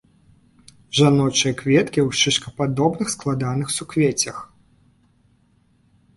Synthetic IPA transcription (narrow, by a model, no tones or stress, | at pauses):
ʐanɔt͡ʂɨjɐkvʲɛt̪kʲiwʂɨʂkɐpad̪ɔbnɨxsklˠad̪anɨxsukvʲɛt͡sʲɐx